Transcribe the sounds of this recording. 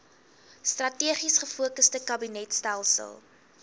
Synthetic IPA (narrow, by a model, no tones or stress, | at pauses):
strɐtiəχisχəfuəkəstəkɐbinɛtstælˠsə̰lˠ